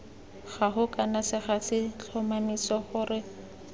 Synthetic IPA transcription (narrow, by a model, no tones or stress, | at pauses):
χaɦʊkanasɪχasɪt͡ɬʰɔmamisɔχʊrɪ